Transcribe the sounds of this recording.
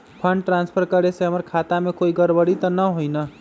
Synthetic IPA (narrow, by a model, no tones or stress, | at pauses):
pʰəɳɖʈɾanspʰəɾkəɾeseɦəməɾkʰat̪amekoiɡəɾbəɽit̪ənəɦojnə